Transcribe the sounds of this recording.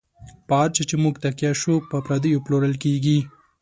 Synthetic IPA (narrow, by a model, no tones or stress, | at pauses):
pɑːɾt͡ʃet͡ʃemuɡt̪akjaʃupəpɾad̪əjoploɾəlkeɡi